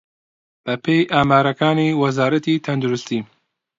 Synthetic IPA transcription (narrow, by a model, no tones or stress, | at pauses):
b̥ɛpʰejʔaːmaːɾɐkaːniːwɐzaːɾɐt̪iːt̪ʰɐnd̪uɾust̪iː